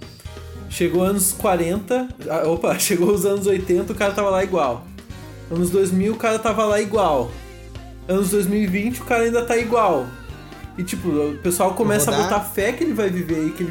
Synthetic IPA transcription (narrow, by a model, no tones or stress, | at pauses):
ʃeɡoɐ̃nʊskwaɾẽnt̪ɐaopɐʃeɡowʊzɐ̃nʊzojt̪ẽnt̪ɐʊkaɾɐt̪avɐlaiɡwaw | ɐ̃nʊzd̪ojzmiwʊkaɾɐt̪avɐlaiɡwaw | ɐ̃nʊzd̪ojzmiwivĩnt͡ʃɪʊkaɾɐaĩnd̪ɐt̪aiɡwaw | ɪt͡ʃipʊpesuawkomɛsɐbot̪afɛkɪelɪvajviveɪke